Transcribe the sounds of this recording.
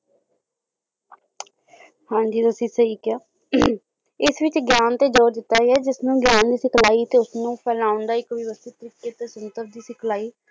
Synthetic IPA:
hãːɲd͡ʒiːt̪ʊsĩːsəɦiːkɪjaː | ɪsʋɪt͡ʃɡjaːnt̪eːd͡ʒoːɾd̪ɪt̪ːaːɾɛːd͡ʒɪsnũːɡjaːnd̪iːsɪkʰlaːiːt̪eːʊsnũːpʰɛːlãːʊɳɖ̪aːɪkʋɪʋəst̪iːt̪əɾiːkeːt̪eːsʊnt̪əɾd̪iːsɪkʰlaːiː

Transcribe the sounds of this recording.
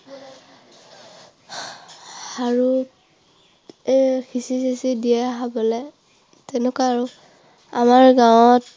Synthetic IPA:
aɹu | kʰisisisidiɛɦabɔlɛ | tɛnɛkaaɹu | amaɹɡawɔt

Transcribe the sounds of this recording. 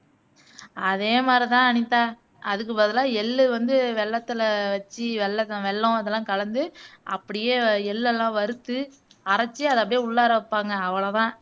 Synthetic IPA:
ɐðeːmaːd̪ɾit̪ãːɐɳɪt̪ːaː | ɐðɯk̬ːɯbɐðɪlãːɛlːɯʋɐnd̪ɯʋɛɭːɐt̪ːɪlɐʋɐt͡ʃːiʋɛɭːɐt̪ːʋɛɭːɔ̃ɐðɐlːãːkɐlɐnd̪ɯɐpːɐɽɪjeːɛlːɛlːãːʋɐɾɯt̪ːɯ | ɐɾɐt͡ʃːiɐðɯɐpːɐɽɪjeːʊɭːɐɾɐpːaːŋɡɐːʋɐɭɐt̪ãː

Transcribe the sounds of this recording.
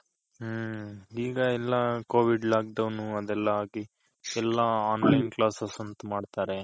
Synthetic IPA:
iːɡɐɛlːɐkoːʋiɖlaːk̚dɐʋnːuɐd̪ɛlːɐɦaːki | ɛlːɐaːnlɐjnklaːsɐsɐnt̪umaːɖt̪aːɾe̞

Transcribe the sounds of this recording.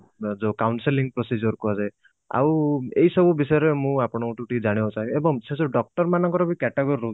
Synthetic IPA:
d͡ʒokawnsiliŋɡpɾɔsid͡ʒɔɾkuasaj | a̰wejsɔbubisɔjɔɾemũapɽ̃ɔʈuʈid͡ʒaɽ̃iɦt͡ʃaebɔŋsesoɖɔk̚ʈɔɾmanɔŋkɔɾɔbikɛʈaɡɔɾiɾoi

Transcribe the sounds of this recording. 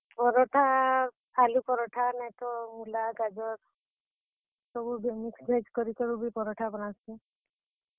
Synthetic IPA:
pɔɾɔʈʰaː | lupɔɾɔʈʰanɛt̪ɔmulaɡad͡ʒɔɾ | sɔbubimiksbʱajd͡ʒkɔɾikɔɾubipɔɾɔʈʰabɔñasti

